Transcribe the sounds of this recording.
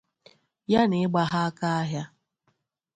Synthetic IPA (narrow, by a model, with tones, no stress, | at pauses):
ja˦nɪ˨ɪ˦ɡ͡ba˦ɦa˦a˦ka˦a˦ɦja˦